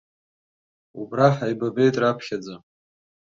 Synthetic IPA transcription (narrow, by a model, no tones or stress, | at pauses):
ubraħajbabejtʼrapʰχʲad͡za